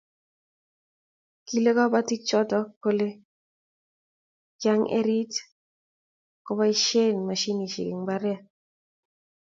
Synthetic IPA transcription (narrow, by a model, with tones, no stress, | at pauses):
ki˦le˦kɔ˦ba˦ti˦t͡ʃɔ˦tɔ˦ko˦le˦ | d͡ʒa˦ŋʔḛ˦ɾi˦t | kɔ˦ba˦i˦ʃe˦nma˨ʃi˦ni˨ʃḭ˨kḭ˨ŋba˦ɾɛ˦˨